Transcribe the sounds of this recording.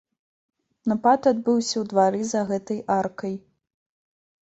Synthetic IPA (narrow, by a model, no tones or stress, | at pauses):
nɐpat̪ad̪̚bɨwsʲɐwd̪vaɾɨzɐɣɛt̪ɐjʔarkɐj